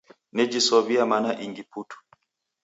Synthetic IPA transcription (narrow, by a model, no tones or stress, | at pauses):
nɛd͡ʒisɔβiamanaʔiŋɡiputʰu̥